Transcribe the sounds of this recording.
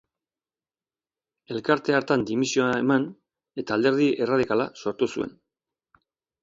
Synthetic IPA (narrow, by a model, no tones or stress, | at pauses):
e̞lkaɾt̪e̞aɾt̪and̪imisio̞ae̞man | e̞t̪aːld̪e̞ɾð̞iʔe̞raðikalaso̞ɾt̪usue̞̰n